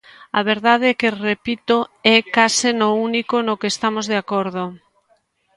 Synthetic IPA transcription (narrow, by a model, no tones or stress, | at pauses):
a̰β̞eɾðað̞eɛkerepit̪oɛkasɪnounikonokeːst̪amozðeakoɾðo